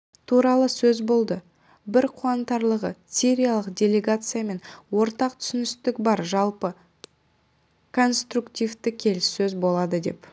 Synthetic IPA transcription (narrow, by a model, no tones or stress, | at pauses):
t̪ʰuɾɑlˠəsɵzbo̞lˠd̪ə | bɪɾqʰuɑnt̪ɑɾlˠəʁəsʲiɾʲijalˠəqdʲe̞lʲe̞ɡat̪sɨjame̞nwo̞ɾt̪ɑq̚t̪ʰʏ̥sɪnɪst̪ɪkbɑɾʒɑlˠpə | kʰo̞nst̪rukt̪ʲijvt̪ɪkʲʰe̞lɪsːɵzbo̞lˠɑd̪əd̪e̞̰p